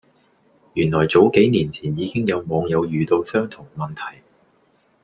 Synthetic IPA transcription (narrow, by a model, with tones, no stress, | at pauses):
jyː˨˩nlɔː˨˩jt͡so˨˥wke˨˥jniː˨˩nt͡sʰiː˨˩njiː˨˧kɪ˥ŋjɐ˨˧wmɔː˨˧ŋjɐ˨˧wjyː˨˧t̪o˧wsœː˥ŋt̪ʰʊ˨˩ŋmɐ˨nt̪ʰɐ˨˩j